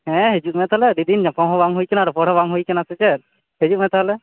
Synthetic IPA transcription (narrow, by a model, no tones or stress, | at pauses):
ɦɛ̃ɦed͡ʒuk̪̚mɛt̪ʰalɛɾid̪inapɔ̃ɦɔbaŋɦujkɛnaɾɔpɔɽ̤abaŋɦujkɛnasɛt͡ʃɛt̪̚ | ɦed͡ʒumɛt̪ʰaɦlɛ